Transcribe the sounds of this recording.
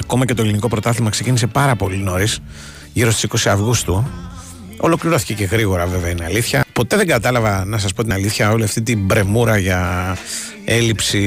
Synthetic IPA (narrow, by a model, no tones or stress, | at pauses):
ɐko̞mɐce̞t̪oeliniko̞pɾo̞t̪ɐθimɐksecinise̞pɐɾɐpo̞lino̞ɾis | ʝiɾost̪i̥siko̞siɐvɣust̪u | o̞lo̞kliɾo̞θi̥ce̞ce̞ɣɾiɣo̞ɾɐve̞veɐinɐliθçɐpo̞t̪e̞ðe̞ŋɡɐt̪ɐlɐvɐnɐs̬ɐspo̞t̪inɐliθçɐo̞liɐft̪it̪ibɾe̞muɾɐʝɐ | e̞lipsi